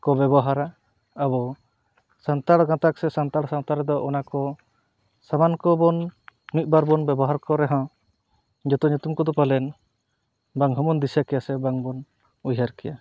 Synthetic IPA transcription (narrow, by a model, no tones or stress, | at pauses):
kɔbɛbɔɦaɾaː | bɔ | sant̪aɽɡãt̪ak̚sɛsant̪aɽsant̪aɾd̪ɔʔɔnakɔ | samankɔbɔnmit̪̚ˀbaɾbɔnbɛbɔɦaɾkɔɾɛɦɔ̃ | d͡ʒɔt̪ɔɲut̪umkɔd̪ɔpalɛn | baŋɦɔmɔnd̪isjakɛjasɛbaŋbɔn | ujɦaɾkɛja